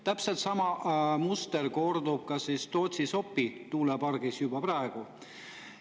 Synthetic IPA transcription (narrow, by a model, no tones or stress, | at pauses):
t̪æpse̞lt̪sɑmɑmust̪e̞rko̞rd̪ub̥̚kɑsist̪o̞ːt̪ʲsiso̞pːit̪uːlepɑrɡ̥isjubɑprɑeɡ̥u